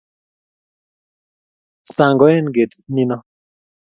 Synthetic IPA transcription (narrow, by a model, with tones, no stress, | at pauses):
sa˨ŋɡɔ˨˦ɛ˦n˨ɡe˨t̪ni˦nɔ˦